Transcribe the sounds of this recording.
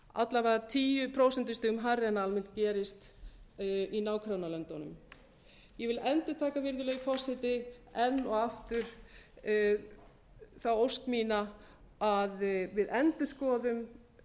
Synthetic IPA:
a̰t̪lavɛɾðat̪ʰiːjʏpʰɾowsɛnt̪ɪ̥st̪ɪːɣʏmɦarɪɛnaalmɪnt̪̚cɛːɾɪst̪ | inaːwkʰɾawnalœnt̪anʏ̰m | jɛvɪlɛnt̪ʏt̪ʰaːkavɪɾðʏlœɣfɔsɪt̪ɪɛnːɔɣaft̪ʏɾ̥ | θawowst̪miːna | aðvɪðɛnt̪ʏskɔːðʏm

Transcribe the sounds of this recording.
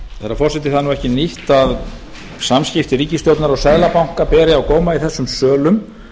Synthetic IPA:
θɛɾafɔrsɛt̪ɪ̥θaðanuɛhcɪniht̪að | samscɪft̪ɪɾiːcɪst̪owt̪naɾɔɣsɛðlapawŋ̥kaɾpɛːɾɪawkɔːwmaiθɛsːʏmsœːlʏm

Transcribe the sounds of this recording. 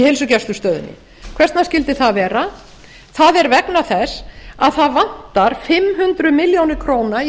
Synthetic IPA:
hejlsʏcɛst̪ʏst̪œːðʏ̰nːɪ̰ | kʰv̥ɛst̪nascɪlt̪ɪθaðvɛːɾa | θaðɛɾvɛknaθɛsaðθaðvan̥t̪aɾ̥fɪmɦʉnt̪ɾʏmɪljownɪkʰɾoːwna

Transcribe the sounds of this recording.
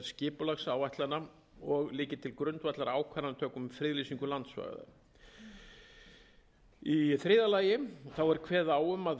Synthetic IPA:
scɪːpʏlaxsaːwvajht̪lana | ɔɣlɪːcɪt̪ʰɪlkɾʏnt̪vajt̪laɾaːwkʰvaɾant̪ʰœːkʏmfɾɪːðlisiŋkʏlant̪sva̰ːɣa̰ða̰ | iθɾɪːðalaːjɪθawɛɾ̥kʰvɛːðaːwʏmað

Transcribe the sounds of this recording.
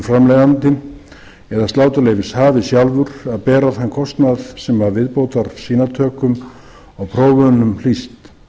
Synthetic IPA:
fɾamlɛjðant̪ɪ | ɛðast̪aːwt̪ʏleːjvɪshaːvɪsjalvʏɾaðpɛːɾaθankʰɔst̪naðsɛmvavɪðpoːwt̪aɾsiːnat̪ʰœːkʏm | ɔwpʰɾoːwvœnʏml̥ist̪

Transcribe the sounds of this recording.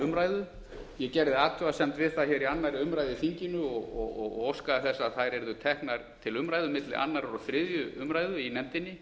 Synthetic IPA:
ʏmɾaːjðʏ | jɛcɛɾðɪat̪ʰʏvasɛmt̪vɪðθaçɛɾianːaɾɪʏmɾajðɪfiɲcɪnʏɔɣɔɣɔɣ̰ɣowskaðaθɛsːaθajɾɛɾðʏt̪ʰɛhknaɾ̥t̪ʰɪlʏmɾaːjðʏmɪt̪lɪ̰ʔa̰nːaɾɔθɾɪðjʏʏmɾaːjðʏinɛmt̪ɪnːɪ

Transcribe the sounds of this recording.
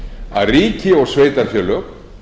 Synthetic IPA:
a̰ðriːcɪɔɣsveːjt̪aɾfjœːlœp

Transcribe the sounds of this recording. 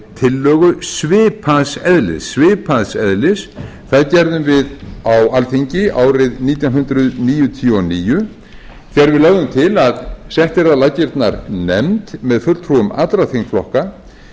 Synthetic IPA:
t̪ʰɪlːœːɣʏsvɪːpʰaðsɛðlɪ̰sːvɪːpʰaðsɛðlɪs | θaðcɛɾðʏmvɪðawalθiɲcɪaːwɾɪðniːt̪jawnɦʏnt̪ɾʏðniːjʏt̪ʰiuɔniːjʏ | θɛɾvɪðlœɣðʏmt̪ʰɪlaðsɛht̪ɛɾaðlaːcɪɾt̪naɾnɛ̰mt̪mɛðfʏɾlt̪ʰɾuʏma̰t̪ɾaθiŋkflɔhka

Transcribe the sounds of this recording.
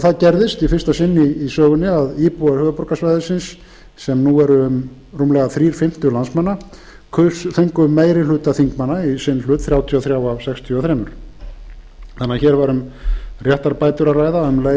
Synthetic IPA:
θaðcɛɾðɪst̪ifɪr̥st̪asɪnːɪːsœːɣʏnːɪaðiːpuaɾ̥hœːðapɔɾ̥kasvajðʏsɪnsː | ɛmnuɛɾʏm | ruːmlɛɣaθɾiːɾ̥fɪm̥t̪ʏlansmanːa | kʰʏθeŋkʏmːeːjɾɪlʏːt̪aθiŋkmanːaisɪnːlʏːt̪θɾjaːwt̪ʰiɔθɾjawavsɛkst̪ʰjiɔθɾɛːmʏɾ̥ | θanːaçɛːɾvaɾʏmrjɛht̪aɾpaːjt̪ʏɾaraːjðaʏmle

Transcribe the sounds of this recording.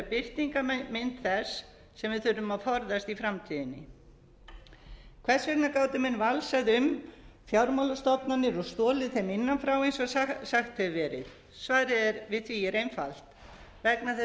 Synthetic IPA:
apɪr̥t̪iŋkamɪnt̪θɛsː | ɛmvɪðθʏɾʏmaðfɔɾðast̪ifɾamt̪ʰiːðɪnːɪ | kʰvɛ̥svɛknakaːwt̪ʏmɛnːvalsaðʏmfjawɾmawlast̪ɔpnanːɪɾɔst̪ɔːlɪðθemɪnːanfɾawejnsɔsaxt̪hɛvvɛːɾɪ̰ð | svaːɾɪɛɾvɪðθviːjɪɾʔejnfa̰l̥t̪ | vɛknaθɛ

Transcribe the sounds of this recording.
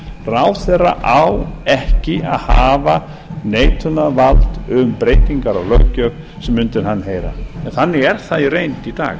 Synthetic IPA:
rawθɛrːa̰ʔawɛhcɪa̰ðhaːva | neːjt̪ʰʏnavalt̪ʏmpɾeːjt̪iŋkaɾɔɣlœ̰ɣcœp | sɛmːʏnt̪ɪɾ̥ɦanːɦeːjɾa̰ɛnθanːɪɣɛɾ̥θaðiɾeːjnt̪it̪a̰ːɣ

